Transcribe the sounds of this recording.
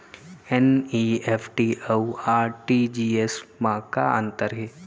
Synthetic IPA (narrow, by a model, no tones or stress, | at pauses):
ɛniːeːpʰʈiowaːɾʈid͡ʒiːesmãka̰ə̰̃nt̪əɾɦeː